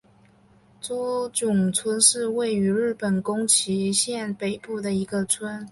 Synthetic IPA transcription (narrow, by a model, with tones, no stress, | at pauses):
t͡su˥t͡ɕjʊ˨˩ŋt͡sʰwə˥nʂɻ̩˥˧we˥˩ɪy˧˥ɻɻ̩˥˩pə˨˩nkʊ˥ŋt͡ɕʰi˧˥ɕjɛ˥˧npe˨˩ɪpu˥˩d̪ə˩i˧˥ɡə˧t͡sʰwə˥n